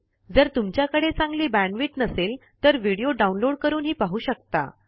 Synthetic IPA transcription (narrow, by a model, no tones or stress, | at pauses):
d͡zəɾt̪umt͡ɕjakəɽet͡sãŋɡliːbæɳɖʋiːʈnəselt̪əɾʋiɽijoɖaunloɽkəɾuːnɦiːpaɦuːɕəkt̪a̰